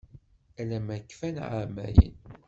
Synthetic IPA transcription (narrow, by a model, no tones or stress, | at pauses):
ælæmækːfænʕa̰mæjə̰n